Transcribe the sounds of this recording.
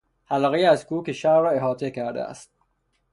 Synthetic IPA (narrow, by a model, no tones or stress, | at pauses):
hælɒːɣejæzkuːkeʃæɾrɒːeɦɒːt̪ʰekʰæɾd̪ḛæ̰st̪̚